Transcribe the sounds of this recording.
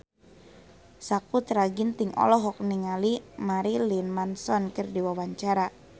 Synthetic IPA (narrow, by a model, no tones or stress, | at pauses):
sakut̪əɾaɡint̪ɪŋɔ̰lɔɦɔk̚niŋalimaɾilinmansɔnkərdiwawaɲt͡ʃaɾa